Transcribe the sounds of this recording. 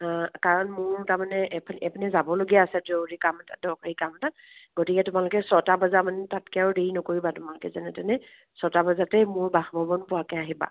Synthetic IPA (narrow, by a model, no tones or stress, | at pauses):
kaɹɔnmʊɹtamanɛʔpʰnɛpʰinɛzabɔloɡiaːsɛdoɹikamtadɔkɹikamta | ɡ̥otikɛtʊmalʊkɛsɔtabazamanɛtatkɛaɹdeɹinɔkoɹibatʊmalʊkɛzanɛtɛnɛ | sɔtabazatɛmʊɹbaxbɔbɔnpʊwakɛaɦiba̰